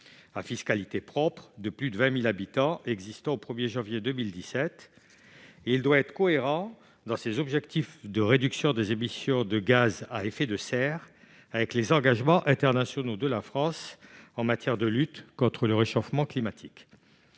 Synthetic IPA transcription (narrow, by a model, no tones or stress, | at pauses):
afiskalit̪epχɔpχəd̪əplyd̪əvɛ̃milabit̪ɑ̃ʔɛɡzist̪ɑ̃opχəmjeʒɑ̃vjed̪əmild̪isɛt̪ | eild̪waɛt̪χəkɔeʁɑ̃ | d̪ɑ̃sezɔbʒɛkt̪ifd̪əʁed̪yksjɔ̃d̪ezemisjɔ̃d̪əɡazaefɛd̪əsɛʁ | avɛklezɑ̃ɡaʒmɑ̃ʔɛ̃t̪ɛʁnasjɔnod̪əlafχɑ̃sɑ̃mat̪jɛʁd̪əlyt̪kɔ̃t̪χələʁeʃɔfmɑ̃klimat̪ʰik